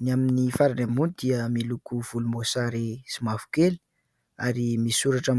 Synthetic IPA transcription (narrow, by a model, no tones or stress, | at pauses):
naminifaɾanemunid̪iəmilukuv̥ulumosaɾisimavu̥keli̥ | a̰ɾimisuɾaʈ͡ʂam